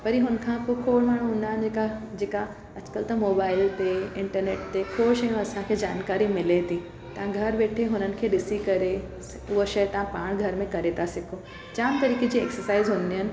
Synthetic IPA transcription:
pɐɾiɦʊnkʰãpokʰoːɽmaːɳ̤̃ũʊnaːn̆d͡ʑeːkad͡ʑeːka | ɐd͡ʑkəlt̪ɐmoːbaːɪlt̪eɪ̃ɳʈəɾneːʈt̪ekʰoːʃəjũɐsãkʰeːd͡ʑa̰ːnkaːɾimɪlet̪ʰĩ | t̪ɐʋãɡʱɐɾʋeːʈʰeɦʊnənɪ̆kʰeːɗɪsikɐɾe | ʊɦoʃɐjət̪ɐãpaːɽ̃ɡʱɐɾmẽkɐɾet̪ʰasɪkʰo | d͡ʑaːmt̪ɐɾiːked͡ʑiːeksəsaːɪzɦʊn̆d̪iɦənɪ̆

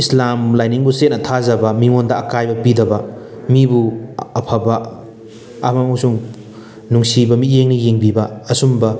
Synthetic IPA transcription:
islamlajniŋbusetnɐtʰazɐbɐmiŋondɐːkajbɐpidɐbɐ | mibuɐpʰabɐː | mauwsuŋ | nuŋsibɐmijeŋnijeŋbibɐːsumbɐ

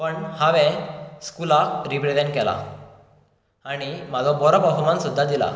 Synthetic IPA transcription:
pəɳhaʋɛ̃skulaɾipɾed͡zɛ̃ɳʈkɛla̰ | aɽ̃imad͡zɔ̃bɔɾɔpəɦumansud̪ʱːad̪ila̰

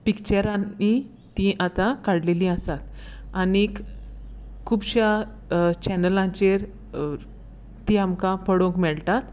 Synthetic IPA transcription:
pikt͡ɕəɾãni | t̪iʔat̪ãkaɽlelĩəsat̪ | anik | kʰːubɕja | t͡ɕɛnəlãɲt͡ɕeɾ | t̪iamkãpəɽõŋkmɛɭt̪at̪

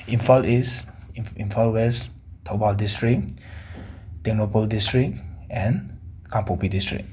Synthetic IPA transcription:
ĩnfalis | ĩnfalwɛs | tʰobaldistɹik̚ | tɛ̃ŋnopoldistɹik̚ɛ̃nkãmpopidistɹḭk̚

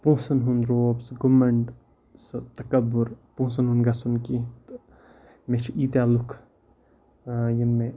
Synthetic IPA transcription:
pũːsɐnɦunɾoːbsɡumɐɳɖ | sɨt̪ɐkɐbʊɾpũːs̬ɐnɦunɡasunkit̪ | mẽt͡ʃʰiʔiːt̪aːlukʰ | jinme

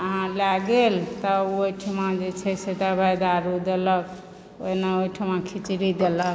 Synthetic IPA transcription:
əɦãlaɡelt̪ɔojʈʰəmãd͡ʒet͡ʃʰɛset̪abʱajd̪aɾud̪elək | o̰inaoiʈʰəmãkʰit͡ʃɾid̪elək

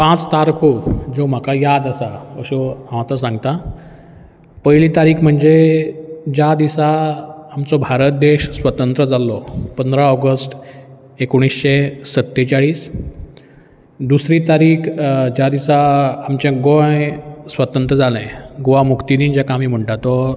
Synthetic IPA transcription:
pãt͡st̪aɾkʰod͡zom̤akajad̪əsaəɕoɦãʋ̃at̪asãŋɡt̪a | pəjlit̪aɾiːkʰm̤əɳd͡ze | d͡ʑjad̪isaːmt͡sobʱaɾət̪̚d̪eɕsʋət̪ənt̪ɾəd͡zalɔpənd̪ɾaɔɡəsʈ | ekuɽ̃isɕesət̪ːet͡ɕaɭiːs | d̪usɾit̪aɾiːkʰd͡ʑjad̪isaːmt͡ɕãɡõjsʋət̪ənt̪ɾəd͡zalẽɡoʋamukt̪id̪iːnd͡ʑakamiːm̤əɳʈat̪ɔ

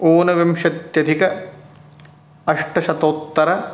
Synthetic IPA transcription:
oːnɐʋɐmʃɐt̪jɐd̪ʱikɐ | ɐʂʈɐʃɐt̪oːt̪ːɐɾɐ

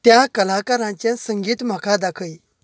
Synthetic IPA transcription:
t̪jakəlakaɾãt͡ɕjãsəŋɡiːt̪m̤akʰad̪akʰəj

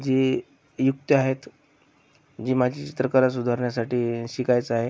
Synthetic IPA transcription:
d͡ʑiː | juk̚t̪əaɦet̪ | d͡ʑiːmad͡ʑʱiːt͡ɕit̪ɾəkəɾas̬ud̪ʱaɾɳjasaʈiːɕikajt͡səaɦe

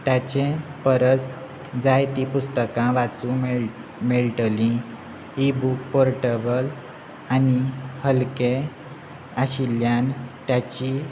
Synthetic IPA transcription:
t̪jat͡ɕẽpəɾət͡s | d͡zajt̪ipust̪əkãʋat͡sũm | meɭʈəlĩ | ibuk̚pɔɾʈəbəl | anihəlke | aɕiljant̪jat͡ɕi

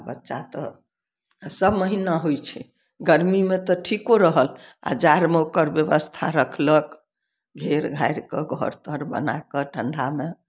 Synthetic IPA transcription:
bətːʃat̪ɔ | səbməɦinaɦojt͡ʃʰɛ | ɡəɾmimet̪ɔʈʰikoɾəɦəla̰d͡ʒaɾmeokəɾbjəβəst̪ʰa̰ɾəkʰlək | ɡʱeɾɡʱajɾkeɡʱɔ̰ɾt̪əɾbə̰na̰kəʈʰəɳɖʱame

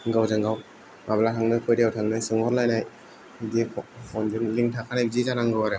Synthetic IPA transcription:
ŋɡawzaŋɡaw | ŋablatʰaŋnɯkʰɔjdijawtʰaŋnɯsɯŋɔɾlajnaj | dipʰɔnzɯnliŋtʰakʰanajbzizanaŋɡɯwaɾe

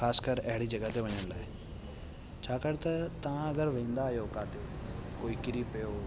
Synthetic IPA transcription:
xaːskəɾɛɦɽid͡ʒɐɡət̪eʋɐɲəɽ̃laːe | t͡ʃʰaːkəɾt̪ɐt̪ɐãɐɡəɾʋẽːnd̪aːjoːkaːt̪ekoːikɪɾipejoː

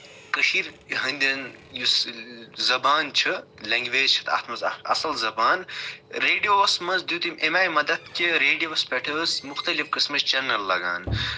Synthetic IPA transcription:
kəʃiɾ | ɦɐnd̪ʲɐnjuszɐbaːnt͡ʃʰɨleŋɡʋeːd͡ʒt͡ʃʰɨ̥t̪ʰɐ̰t̪ʰmɐzɐ̰ɐ̰sɐlzɐbaːnɾeːɖijoːɐsmɐnzd̪jut̪imʔemaːjmɐd̪ɐd̪keɾeːɖijoʋɐspeʈʰəːsmuxt̪ɐlifkɨsmɐt͡ʃt͡ʃɐnɐlːɐɡa̰ːn

